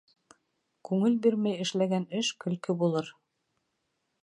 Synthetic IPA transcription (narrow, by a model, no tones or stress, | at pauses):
kʉŋɘlbiɾmæjɘ̆ʃlæɡænɘʃkɵ̆lkɘbulˠɤɾ